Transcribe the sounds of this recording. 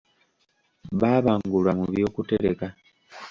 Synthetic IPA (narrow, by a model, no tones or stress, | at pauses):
βaːβaːŋɡulamuβjo̞ːkute̞ɾeka